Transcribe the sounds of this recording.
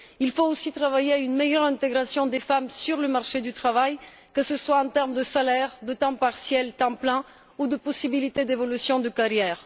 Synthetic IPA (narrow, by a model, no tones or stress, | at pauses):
ilfoosit̪χavajeaynmejœʁɛ̃t̪eɡʁasjɔ̃d̪efamsyʁləmaʁʃed̪yt̪χavaj | kəsəswaɑ̃t̪ɛʁmd̪əsalɛʁd̪ət̪ɑ̃paʁsjɛlt̪ɑ̃plɛ̃ | ud̪əpɔsibilit̪ed̪evɔlysjɔ̃d̪əkaʁjɛːʁ